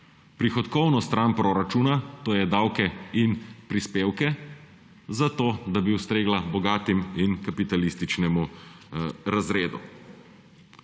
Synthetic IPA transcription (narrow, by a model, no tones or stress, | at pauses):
pɾixɔt̪kɔwnɔst̪ɾaːnpɾoɾat͡ʃuːnat̪oːjɛd̪awkɛinpɾispeːwkɛ | zat̪oːd̪abiuwst̪ɾeːɡlabɔɡaːt̪iminkapit̪alist̪it͡ʃnɛmu | ɾazɾeːd̪u